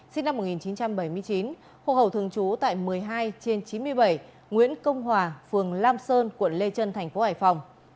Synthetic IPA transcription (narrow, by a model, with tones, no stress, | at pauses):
si˧ŋna˧m̚ː˨˩ŋi˨˩nt͡ɕi˨˦nt͡ɕa˧mɓə˧˩jmɨ˧əjt͡ɕi˨˦n | ho̰˧˨˩hə˨˩wt̪ɨ˧˩əŋt͡ɕu˨˦t̪a̰ː˧˨jmɨ˨˩əjɦaː˧jt͡ɕe˧nt͡ɕi˨˦nmɨ˧əjɓə˧˩j | ŋwḭ˧˥ənkə˧wŋ͡mɦwaː˨˩fɨ˨˩əŋlaː˧msəː˧nkwə˧˩˨nle˧t͡ɕə˧nt̪ʰɛ˨˩jŋ̟fo˨˦haː˧˩jfa˨˩wŋ͡m